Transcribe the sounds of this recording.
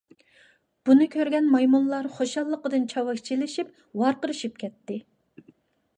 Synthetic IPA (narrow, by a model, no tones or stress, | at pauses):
b̥unɨkʲʰøɾɡʲɛnmɑjmunlˠɑɾχoʃɑlˠːəqəd̪ɨnt͡ʃʰɑwɑkʲt͡ʃʰilɪʃip̚ | wɑɾqəɾɨʃip̚kʲʰɛt̪ːɪ